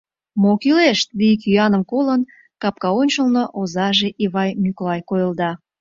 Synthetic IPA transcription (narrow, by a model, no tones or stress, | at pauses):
mokileʃt̪̚lik̬yɑnəmkolən | kɑp̚kɑonʲt͡ɕəlnoʔozɑʒeʔiβɑjmyklɑjkojəlˠd̪ɑ